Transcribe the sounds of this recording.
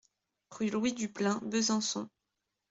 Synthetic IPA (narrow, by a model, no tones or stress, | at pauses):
ʁylwid̪yplɛ̃bəzɑ̃sɔ̰̃